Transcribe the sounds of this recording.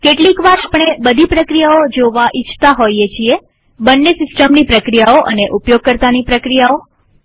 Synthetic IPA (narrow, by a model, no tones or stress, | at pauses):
keʈlikʋaɾapɳ̃ebəd̪ʱipɾəkɾijaod͡ʒoʋaʔit͡ʃʰt̪aɦoiet͡ʃʰie | bənːesɪsʈəmnipɾəkɾijaoʔə̰neʔupjoɡ̚kəɾt̪anipɾəkɾijao